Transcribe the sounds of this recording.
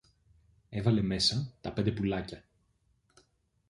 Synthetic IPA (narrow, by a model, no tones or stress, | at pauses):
e̞vɐle̞me̞sɐt̪ɐpnd̪e̞pulɐcɐ